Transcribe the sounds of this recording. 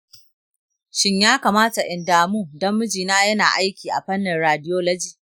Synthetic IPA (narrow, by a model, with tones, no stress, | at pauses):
ʃɪ˦ɲjaː˦kaː˨maː˦ta˨ʔɪ˨ndaː˨muː˦dɐ˦mːʊ˦d͡ʒiː˨naː˦jɐ˦na̰ː˨ʔa˦jkʲiː˨ʔa̰˨ɸɐ˦nːɪ˨nɾaː˨dɪ˦joː˦lɐ˦d͡ʒiː˨